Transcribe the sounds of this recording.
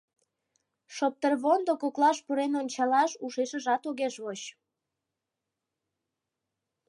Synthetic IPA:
ʃop̚t̪ərβond̪okoklɑʃpuɾenonʲt͡ɕɑlɑʃuʃeʃəʒɑt̪oɣeʃβoɕ

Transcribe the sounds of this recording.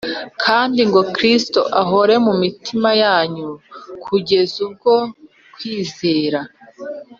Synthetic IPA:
kʰaːndiŋɡo̞kɾistoʔaɦo̞ɾe̞mumitʰimajaːɲukʰuɟe̞zub̚ɡo̞ | kwiːze̞ːɾa

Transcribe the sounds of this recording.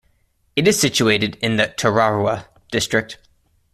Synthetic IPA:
ɨɾɨz̥sɪt͡ʃueɪɾɨdɪ̃nðɨtʰəɹɑɹə | d̥ɪstɹ̥ɪk̚t̚

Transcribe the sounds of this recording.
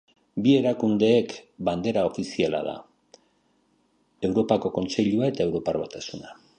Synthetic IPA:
bie̞ɾakund̪e̞ːkband̪e̞ɾao̞fisiala̰ða̰ | e̞wɾo̞pako̞ko̞nt͡se̞ʎuae̞t̪ae̞wɾo̞paɾβat̪asuna

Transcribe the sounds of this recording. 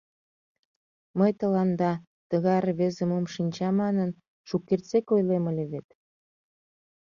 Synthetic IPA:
məjt̪əlɑnd̪ɑ | t̪əɣɑrβezə̆momʃinʲt͡ɕɑmɑnən | ʃukːert͡sekojlemə̆lʲeβet̪

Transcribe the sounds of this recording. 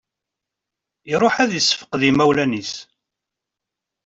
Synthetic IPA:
iɾˤoħæðjəsːə̥fə̥qðimæwlænis

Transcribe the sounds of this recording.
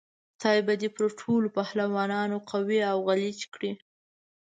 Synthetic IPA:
t̪ɑjbad̪epəɾʈʰolopahlawɑnɑnoqawiawɣalit͡ʃkɽi

